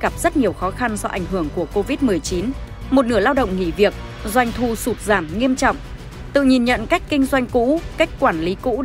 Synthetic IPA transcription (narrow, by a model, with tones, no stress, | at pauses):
ɣa˨˩p̚z̥ə˦˥t̚ɲi˨˩əwxɔ˨˦xa˧nzɔ˧ʔa̰˧˩jŋ̟ɦɨ˧˩əŋku˧˩əko˧vi˦˥t̚mɨ˨˩əjt͡ɕi˨˦n | mo˨˩t̚nɨ˧˩əlaː˧wɗə̰˧˨wŋ͡mŋḭ˧˩˨vi˨˩ək̚ | zwa˧jŋ̟t̪ʰu˧˩su˨˩t̚zaː˧˩mŋi˧əmt͡ɕɔ̰˧˨wŋ͡m | t̪ɨ̰˧˨ɲi˨˩nɲə̰˧˨nka˦˥jk̟̚kːï˧ŋ̟zwa˧jŋ̟kṵ˧˥ka˦˥jk̟̚kwaː˧˩nli˨˦kṵ˧˥